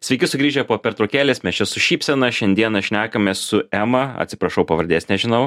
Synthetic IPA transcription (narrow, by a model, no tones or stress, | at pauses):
sʲʋʲɛɪkʲɪsʊɡɾʲiːʒʲɛpoːpʲɛɾt̪ɾoːkʲæːlʲeːsmʲɛst͡ʃʲɛsʊʃʲiːpʲsʲɛnɐʃʲɛnʲd̪ʲiɛnɐʃʲnʲæːkɐmʲeːssʊɛmɐɐ̰t̪ʲsʲɪ̥pɾɐʃɐʊpɐʋɐɾʲd̪ʲeːsʲnʲɛʒʲɪnɐʊ